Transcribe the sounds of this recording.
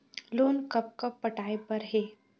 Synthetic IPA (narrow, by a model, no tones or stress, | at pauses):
loːnkɐp̚kɐpːɐʈaːepɐɾɦeː